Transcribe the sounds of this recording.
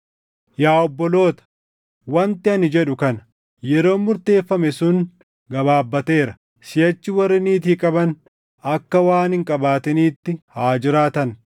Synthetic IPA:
jaːɔbːɔlo̞ːt̪ɐ̥ | wɐnt̪ɪɐnɪd͡ʒɛᶑʊkɐnɐ | jɛɾo̞ːmʊɾt̪e̞ːfːɐmɛsʊn | ɡɐbaːbːɐt̪e̞ːɾɐ | sɪjɐt͡ʃːɪwɐrːɪniːt̪̬iːkʼɐbɐn | ɐkːɐwaːnhɪŋkʼɐbaːt̪ɛniːt̪ːɪhaːd͡ʒɪɾaːt̪ɐn

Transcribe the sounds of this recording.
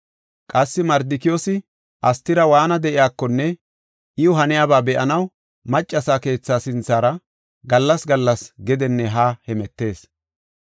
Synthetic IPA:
kʼɐsːɪmɐɾd̪ɪkɪjoːsɪ | ʔɐst̪ːɪɾɐwaːnɐd̪ɛʔɪjaːkːɔnːɛ | ʔɪjʊɦɐnɪjaːbaːbɛʔɐnɐw | mɐt͡ʃʼːɐsaːke̞ːt͡sːaːsɪnt͡sːaːɾɐ | ɡɐlːɐsɡɐlːɐsɡɛd̪ɛnːɛɦaːhɛmɛt̪ːe̞ːs

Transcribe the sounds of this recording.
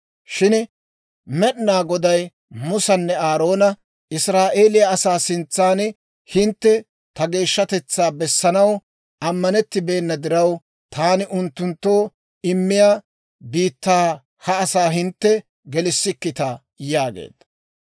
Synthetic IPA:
ʃɪn | mɛɗnaːɡɔd̪ɐj | mʊsɐnːɛaːɾo̞ːnɐ | ɪsɾaːʔe̞ːlɪjɐɐsaːsɪnt͡sːaːn | hɪnt̪ːɛ | t̪ɐɡe̞ːʃːɐt̪ɛt͡sːaːbɛsːɐnɐw | ɐmːɐnɛt̪ːɪbe̞ːnːɐd̪ɪɾɐw | t̪ʰaːnɪʔʊnt̪ːʊnt̪ːo̞ː | ɪmːɪjaː | biːt̪ːaː | hɐːsaːɦɪnt̪ːɛ | ɡɛlɪsːɪkːɪt̪ɐ | jaːɡḛːd̪ɐ

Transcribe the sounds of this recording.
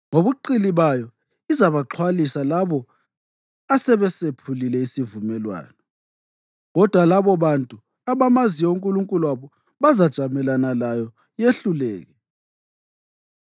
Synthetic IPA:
ŋoβuǃiliβajɔ | izaβaǃʰwalisalaβɔ | asɛβɛsepʰulilɛisivumɛlwa̰ːnɔ | ɣɔd̥ʱwalaβɔβantʼu | aβamazijɔuŋkʼuluŋkʼuluwaβɔ | βazad̥ʒ̥ʱamɛlanalajɔ | jeɬulɛːɣɛ

